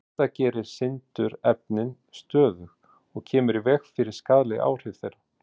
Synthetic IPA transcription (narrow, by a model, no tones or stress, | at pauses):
t̪acɛːɾɪɾ̥sɪnt̪ʏɾɛp̚nɪn | st̪œːðʏx | ɔɣcʰɛːmʏɾivɛxfɪɾɪɾ̥skaːðlɪʔa̰ːwr̥ɪvθejɾa